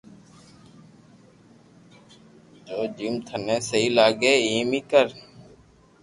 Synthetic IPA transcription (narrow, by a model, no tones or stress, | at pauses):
d͡ʒoːd͡ʒiːmt̪ʰənẽːsəɦiːlaːɠeːiːmiːkəɾ